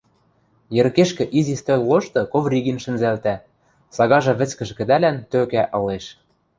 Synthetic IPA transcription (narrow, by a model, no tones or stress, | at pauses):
jɘ̆ɾkeʃkɘ̆ʔizist̪olʲloʃt̪ɤ̆koβrʲiɣinʃɘ̆nzælt̪æ | sɑɣɑʒɤ̆βɘ̆t͡skɘ̆ʒɘ̆kɘ̆d̪ælænt̪økæʔɤ̆leʃ